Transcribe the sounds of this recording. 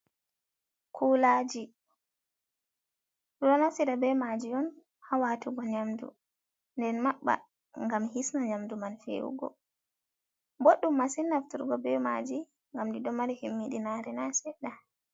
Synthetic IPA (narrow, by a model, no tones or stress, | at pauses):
kʰuːlad͡ʒi | ɾɔnasiɾabɛmad͡ʒijɔn | hawatuɡɔɲamdṵ | ndɛnmaɓːa̰ | ŋɡamhisnaɲamdumanfḛwṵɡɔ̰ | boɗːumːasinːaftuɾɡɔbɛma̰d͡ʒi | ŋɡamdiɗɔmaɾihimːiɗinaɾɛnasɛɗa